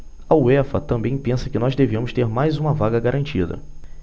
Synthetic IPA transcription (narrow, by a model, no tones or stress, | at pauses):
ɐuɛfɐt̪ɐ̃mbẽj̃pẽsɐkɪnɔzd̪eviɐ̃mʊst̪eɾmajzũmɐvaɡɐɡaɾʔɐ̃nt͡ʃid̪ɐ̰